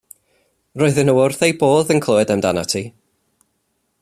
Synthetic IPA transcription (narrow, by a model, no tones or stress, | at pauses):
roːɨðənəwʊrθejboːðənkʰlˠɔɛdɛmdanatʰi